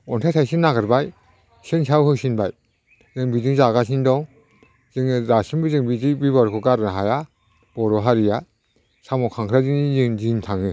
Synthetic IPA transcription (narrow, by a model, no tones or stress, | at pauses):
ɔntʰajtʰajsinːaɡɯɾbaj | sɯnsawhɯksinbaj | zɯŋbidɯŋzaɡas̬indɔŋ | zɯŋɯzasɯŋbɯzɯŋbidibibaɾkʰɔkaɾnaɦaja | b̥ɔɾɔɦaɾija | samɔkʰaŋkʰɾazɯiziŋziŋtʰaŋɯ